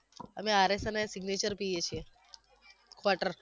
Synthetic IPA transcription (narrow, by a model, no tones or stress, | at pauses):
əmeaɾesənesiɡnet͡ʃəɾpijet͡ʃʰie | kʰʋaʈəɾ